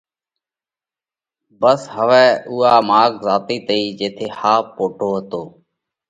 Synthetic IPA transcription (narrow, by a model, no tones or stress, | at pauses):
bəsɦəʋɛːʔuːaːmaːkzaːt̪iːt̪əiːd͡ʒeːt̪ʰeːhaːpːoːʈʰoːɦət̪oː